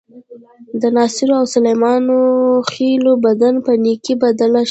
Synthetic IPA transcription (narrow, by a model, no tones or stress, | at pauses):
d̪ənɑsɪɾoawsalajmɑnoxelobad̪anpənikibad̪ala